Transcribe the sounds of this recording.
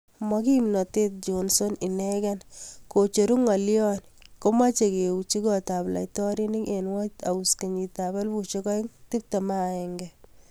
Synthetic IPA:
mɔki˦mnɔ˨te˦t̚d͡ʒonso˦ni˨nɛ˦kanko˨t͡ʃo˨ɾu˦ŋa˨ljɔn | ko˦ma˦t͡ʃe˨ke˨u˨t͡ʃi˦kɔ˨ta˨bla̰˨jtɔ˦ɾi˦ni˦ŋenwɔ˦ta̰˨u˨ske˨ɲi˨ta˨ba˦lbu˨t͡ʃikɔ˦i˦ŋti˦p̚ta˨ma˦ɛŋɡɛ

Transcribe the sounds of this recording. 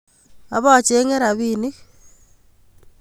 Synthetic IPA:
a˨βɔ˦˨t͡ʃe˦ŋe˦ɾa˨βi˦ni˦k

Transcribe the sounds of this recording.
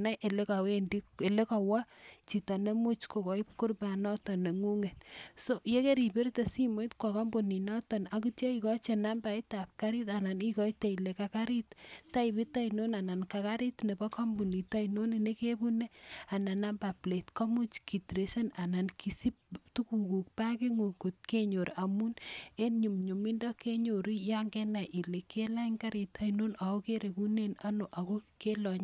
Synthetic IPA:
na˦ʔe˨le˦ka˨we˦ndi˦e˨le˦ka˨wa˦t͡ʃi˨ta˨ne˦mu˦t͡ʃko˨kɔ˨i˦pku˦ɾba˨nɔ˦tɔ˨ne˨ŋu˦ŋe˨tso˦je˦ke˦ɾi˨be˦ɾte˨si˦mo˦jtkwa˨kɔ˦mbu˨ni˨nɔ˦tɔ˨na˨kutjɔ˦ikɔ˦t͡ʃena˦mba˨i˦ta˨p̚ka˦ɾita˨na˨ni˦kɔ˦ite˨ile˨kaka˦ɾi˦tta˦ibi˦ta˦ino˦na˨na˨nka˨ka˦ɾi˦tne˨ba˦kɔ˦mbu˨ni˨ta˦ino˦ne˨ne˦ke˦bu˦ne˦a˨na˨na˦mba˨ple˨tkɔ˦mu˦t͡ʃki˨tɾese˦na˨na˨nkʰisi˦p̚tuku˨ku˨k̚pa˦ke˦ŋo˨ko˨t̚ke˦ɲo˨ɾa˨mu˦ne˦nɲu˨mɲu˨mi˦ndɔ˦ke˦ɲo˨ɾi˦ja˦ŋɡɛ˦na˨ʔi˨leke˦la˦iŋka˦ɾi˨ta˦ino˦na˨o˦ke˦ɾe˨ku˦ne˦na˦no˨ʔa˨ko˦ke˦lɔɲ

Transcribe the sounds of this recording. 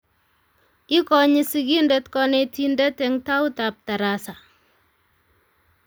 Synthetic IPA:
i˦kɔ˨ɲi˦si˦ki˦ndɛtkɔ˨ne˨ti˦ndɛ˦tɛ˨ŋta˦ʊ˦tap̚ta˨ɾasa˨

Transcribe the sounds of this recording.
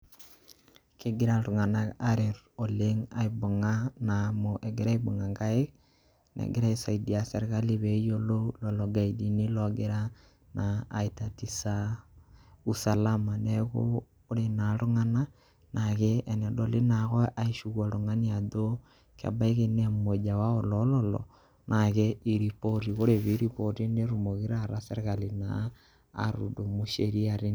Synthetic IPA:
kɪ˦ɡɪ˦ɾa˨ɾu˨ŋa˨na˦a˦ɾɪ˨ɾo˨le˦ŋa˨i˨bo˨ŋa˦na˨mo˨ʔe˨ɡɪ˦ɾa˦i˦bo˨ŋa˨ŋɡa˦ɪ˦k | nḛ˨ɡɪ˦ɾa˦i˨sa˨i˨di˨a˨se˨ɾka˦li˦be˨˦jo˦lo˦lɔ˨lɔ˨ɡa˨i˨di˨ni˦lɔ˨ɡɪ˦ɾa˦ | naː˨i˨ta˨ti˨sa˦ | u˦sa˨la˦ma˨nɛ˦kʊ̰ː˦ | ɾenaɾo˦ŋa˦na˦ | nʔaɣeɛ˨nɛ˨dole˦naɣɔ˦ʔa˦iʃuɣwa˨ɾoŋa˦nia˨ðo˦ | ka̰˨ba˦i˦ɣe˦ne˦a˦me˨d͡ʒa˨wa˦o˨lɔlɔlɔ̰ | nʔaɣei˨ɾipoti˨ɣo˦ɾe˨βi˦ɾipoti˦ne˦ɾomo˨ɣi˦ɾaɾa˦se˦ɾeka˨li˨na̰ː | ɾṵ˨do˨mu˦ʃeɾi˦aɾe˦

